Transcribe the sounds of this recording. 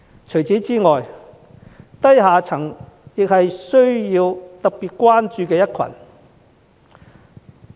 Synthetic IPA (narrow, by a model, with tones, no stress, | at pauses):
t͡ʃʰɵ˨˩ɥt͡siː˨˥t͡siː˥ŋɔː˨j | t̪ɐ˥jɦaː˨t͡sʰɐ˨˩ŋjɪ˨k̚hɐ˨jsɵ˥ɥjiː˧wt̪ɐ˨k̚piː˨t̚kʷwaː˥nt͡ʃyː˧kɛː˧jɐ˥t̚kʰɐ̰˨˩n